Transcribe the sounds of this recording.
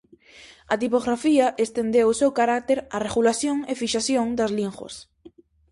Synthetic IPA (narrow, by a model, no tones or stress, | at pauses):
ɐt̪ipoɣɾafiɐʔest̪end̪ewʊsewkaɾak̚t̪eɾareɣulaθjoŋefiʃaθjoŋd̪azliŋxwo̰s